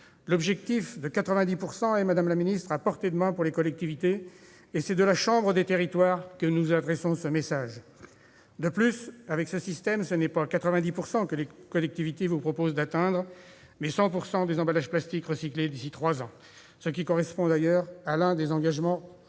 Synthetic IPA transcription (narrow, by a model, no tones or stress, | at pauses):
lɔbʒɛk̚t̪ifd̪əkat̪χəvɛ̃d̪ipuʁsɑ̃ɛmad̪amlaminist̪χapɔʁt̪ed̪əmɛ̃puʁlekɔlɛk̚t̪ivit̪eː | sɛd̪əlaʃɑ̃bʁəd̪et̪eʁit̪waʁkənuzad̪ʁɛsɔ̃səmesaʒ | d̪əplysavɛksəsist̪ɛmsənɛpakat̪χəvɛ̃d̪ipuʁsɑ̃kəlekɔlɛk̚t̪ivit̪evupχɔpozd̪at̪ɛ̃d̪ʁ | mɛsɑ̃puʁsɑ̃d̪ezɑ̃balaʒplast̪ikʁəsikled̪isit̪χwazɑ̃ | səkʲikɔʁɛspɔ̃d̪ajœʁalɛ̃d̪ezɑ̃ɡaʒmɑ̃